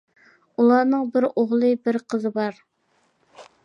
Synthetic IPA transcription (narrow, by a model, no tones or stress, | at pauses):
ulˠɑːnɨŋbɪɾoʁlˠɨbɪɾqʰəzɨbɑɾ